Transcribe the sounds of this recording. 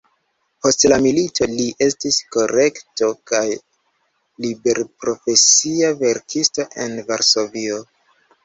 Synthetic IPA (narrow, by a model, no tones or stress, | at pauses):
po̞stlamilitʰo̞liʔe̞stisko̞ɾe̞kto̞kaj | libe̞ɾpɾo̞fe̞siave̞ɾkʰisto̞ʔe̞nvaɾso̞vio